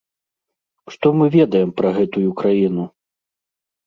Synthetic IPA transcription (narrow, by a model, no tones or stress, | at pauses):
ʂt̪ɔmɨvʲɛd̪ɐjɛmpɾɐɣɛt̪ujukɾajinu